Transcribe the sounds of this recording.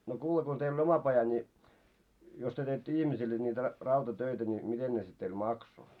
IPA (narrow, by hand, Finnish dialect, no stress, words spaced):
no kuːle ko teil oi omɑ pɑjɑ nʲi jos tyø teitːø ihmisilːe niːtæ rɑ rɑutɑtøitæ ni miten ne sit teil mɑkso